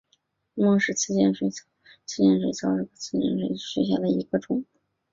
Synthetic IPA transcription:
mwɔ˥˧ʂɻ̩˥˧t͡sʰɹ̩˥˧t͡ɕjɛ˥˧nʂwe˧˩ɪt͡sʰ | t͡sʰɹ̩˥˧t͡ɕjɛ˥˧nʂ̬we˧˥˩ɪt͡sʰɑ˥ʊʈ͡ʂɻ̩˥˩kə˧˩t͡sʰɹ̩˥t͡ɕjɛ̰˥˧nʂwe˧˩ɪɕɥɛ˧˥ɕ̬ja˥˩lə˩i˧˥ɡə˧ʈ͡ʂʊ˧˥˩ŋ˩

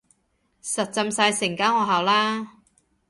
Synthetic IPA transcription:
sɐ˨t̚t͡sɐ˧msaː˧jsɪ˨˩ŋkaː˥ŋɔː˨˧ɦaː˨wlaː˥

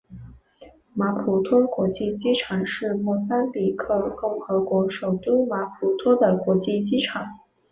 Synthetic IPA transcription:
ma˧˥pʰu˨˩t̪ʰwɔ˥kwɔ˧˥t͡ɕi˥˩t͡ɕi˥ʈ͡ʂʰɑ˨˩ŋʂɻ̩˥˧mwɔ˥˩sa˥nli˨˩kʰɤ˥˩kʊ˥˩ŋxɤ˧˥kwɔ˧˥ʂo˨˩ʊt̪u˥ma˧˥pʰu˨˩t̪ʰwɔ˥d̪ə˨kwɔ˧˥t͡ɕi˥˩t͡ɕi˥ʈ͡ʂʰɑ˨˩˦ŋ

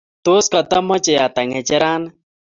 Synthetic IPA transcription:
t̪oːskɐ˨t̪ɐ˦mːɐ˦t͡ʃe˨jaːt̪ɐ˨ŋe˨t͡ʃɐ˦ɾaː˦n

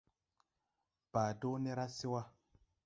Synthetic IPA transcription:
b̥aː˨do˦ne˦ɾa˦si˦wa˦

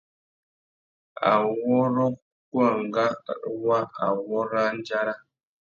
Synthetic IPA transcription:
a̰˨wɔ˦ɾɔ˦ | kwa˦˨ŋ˨ɡa˦˨ɗwa˦a˨wɔ˦ɾa˦n̩˦d͡ʒa˦ɾa˦

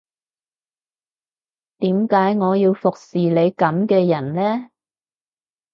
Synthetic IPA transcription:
t̪iː˨˥mkaː˨˥jŋɔː˨˧jiː˧wfʊ˨k̚siː˨le˨˧jkɐ˨˥mkɛː˧jɐ˨˩nlɛː˥

